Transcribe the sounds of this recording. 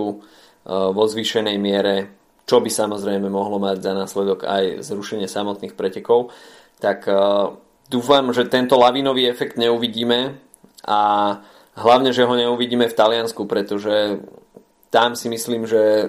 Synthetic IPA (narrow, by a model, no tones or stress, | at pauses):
u | ʋɔzʋiːʃɛnɛjmɪɛɾɛ | t͡ʃɔbisamɔzɾɛjmɛmɔɦlɔmaɟzanaːslɛd̪ɔɡa̰jzɾuʃɛɲɪɛsamɔt̪niːxpɾɛcɛkɔʊ | t̪ak | d̪uːfamʒɛt̪ɛnt̪ɔlaʋiːnɔʋiːɛfɛkd̪ɲɛuʋiɟiːmɛ | ʔa | ɦlaʊɲɛʒɛɦɔɲɛuʋiɟiːmɛft̪alɪanskupɾɛt̪ɔʒɛ | t̪amsimisliːmʒɛ